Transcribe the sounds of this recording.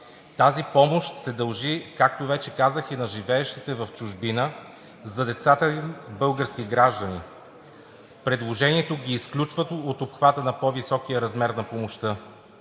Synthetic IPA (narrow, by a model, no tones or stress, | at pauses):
t̪azipɔmoʃt̪sɛd̪ɐlˠʒikak̚t̪ovɛt͡ʃɛkazəxinɐʒivɛːʃt̪it̪ɛvɐft͡ʃʊʒbinə | zɐd̪ɛt̪sat̪əibɤlˠɡəɾskiɡɾaʒd̪ənḭ | pɾɛd̪lˠoʒɛniɛt̪oɡʲiːsklʲut͡ʃvət̪oːt̪opxvat̪ənɐpɔvisɔkijəɾɐzmɛɾnɐpomoʃt̪ɤ